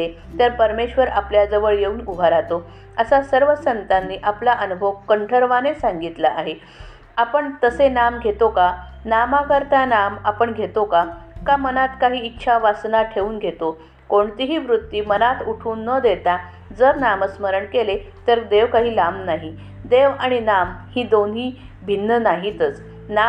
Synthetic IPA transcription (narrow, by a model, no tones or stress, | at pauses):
e | t̪əɾpəɾmeɕʋəɾapljad͡zəʋəɭjeuːnubʱaɾat̪o | əsasəɾʋəsənt̪anːiːʔaplaʔənubʱəʋkəɳʈʰəɾʋanesãŋɡit̪laʔaɦe | apəɳt̪əsenamɡʱet̪okanamakəɾt̪anamapəɳɡʱet̪okakamənat̪kaɦiːtːɕʰaʋasnaʈʰeuːnɡʱet̪o | koɳt̪iɦiːʋɾut̪ːiːmənat̪uʈʰuːnːəd̪et̪a | d͡zəɾnaməsməɾəɳkele | t̪əɾd̪eʋkaɦiːlamnaɦi | d̪eʋaɽ̃inamhiːd̪onɦiː | bʱinːənaɦit̪ət͡s | na